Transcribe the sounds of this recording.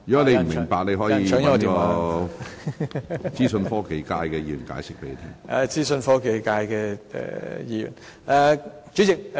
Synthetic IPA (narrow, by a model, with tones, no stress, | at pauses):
y˨˩kɔ˨˥nle˨˧jmm̩˨˩mɪ˨˩ŋpaː˨k̚le˨˧ɦɔː˨˥jiː˧˨˧ŋ˥kːɔ˧˦kɔː˨˧ | t͡siː˥sɵ˧nfɔː˥ke˨˧jkaː˧jkɛː˧jiː˧˩jyː˨˩nka̰ː˨˥jsɪ˥k̚pe˨˦le˨˧t̪ʰiː˥ŋʔɛ̰˨˧t͡siː˥sɵ˧nfɔː˥ke˨˧jkaː˧jkɛ˧ɛ̰˨˩jiː˧jy̰˨˩n | ɛ˨˧ | t͡ʃy˨˥t͡sɪ˨k̚